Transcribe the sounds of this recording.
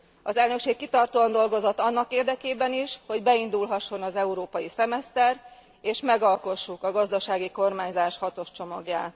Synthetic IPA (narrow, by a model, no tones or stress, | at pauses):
ɒzɛlnø̞kʃeːkːit̪ɒrt̪oːɒnd̪o̞lɡo̞zot̪ːɒnːɒkeːrd̪ɛkeːbɛniʃho̞ɟbɛind̪ulɦɒʃːo̞nɒzɛuɾoːpɒjisɛmɛst̪ɛr | eːʃmɛɡɒlko̞ʃːukɒɡɒzd̪ɒʃaːɡiko̞rmaːɲzaːʃhɒt̪o̞ʃt͡ʃo̞mɒɡja̰ːt̪